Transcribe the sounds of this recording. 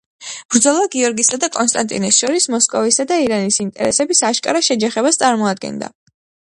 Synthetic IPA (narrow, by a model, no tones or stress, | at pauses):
b̥ɾd̪zɔlˠvaɡiɔɾɡisad̪akʼɔnst̪ʼant̪ʼḭnɛsʃɔɾismɔskʼɔvisad̪aiɾanisint̪ʼɛ̰ɾɛ̰sɛbisaʃkʼa̰ɾaʃɛd͡ʒaχɛβast̪sʼaɾmɔad̪̚ɡɛ̰nd̪a̰